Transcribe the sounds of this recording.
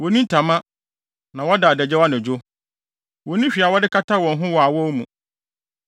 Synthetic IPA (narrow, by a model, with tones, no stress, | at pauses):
wɔ˨nĩ˦n˦tʰa˨mã˦ | nã˨wɔ˦da˨dɛ˨d͡ʑɛ˦wa˦nɪ̃˨d͡ʑo˦ | wɔ˨nĩ˦ɕᶣi˨a˨wɔ˦dɪ˦kʰa˦tʰa˦wɔ̃˨n˦ɦʊ̃˦wɔ˨a˨wɔ˦wmũ˨